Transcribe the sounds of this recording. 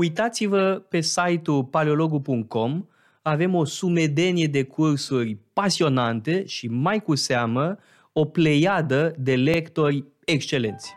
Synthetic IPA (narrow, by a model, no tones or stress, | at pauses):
ujt̪at̪sivəpe̞sajt̪upaleo̞lo̞ɡupuŋk̪̚kʰo̞m | ave̞mo̞sume̞d̪e̞nije̞d̪e̞kʰursurʲpasio̞nant̪e̞ʃimajkusamə | o̞ple̞jad̪əd̪e̞le̞kt̪o̞rʲ | e̞kʃt͡ʃe̞le̞̰nt̪sʲ